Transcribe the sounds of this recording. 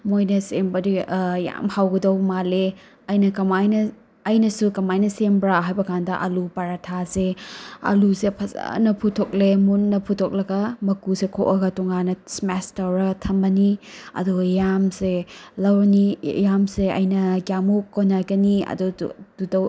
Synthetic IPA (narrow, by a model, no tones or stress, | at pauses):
mojnɐsembɐdija̰mhawɡɐdɐwmale | ɐjnɐkɐmajnɐ | ɐjnɐsukɐmajnɐsembɾaɦajbɐkʰandɐʔɐlupaɾatʰaseɐ̰lusepʰɐza̰nɐpʰutʰok̚lemunːɐpʰutʰok̚lɐɡɐmɐkusekʰo̰ʔɐɡɐtuŋanɐsmastɐwɾɐɡɐtʰɐmbɐniɐ̰dujamselɐwɾɐnijamseɐ̰jnɐɡjamukːonajɡɐniɐ̰dududɐw